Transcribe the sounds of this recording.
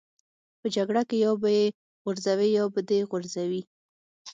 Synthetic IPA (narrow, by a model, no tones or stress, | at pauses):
pəd͡ʒaɡɽakejɑbaje | ɣʊɾzawejɑbəd̪eɣʊɾzawi